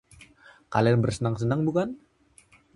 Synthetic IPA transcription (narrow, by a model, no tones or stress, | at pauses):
kalianbərsənaŋsənaŋbukan